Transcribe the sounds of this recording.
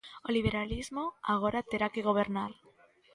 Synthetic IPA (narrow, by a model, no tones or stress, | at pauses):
oliβ̞eɾalizmoaɣ̞oɾat̪eɾakeɣoβ̞eɾnal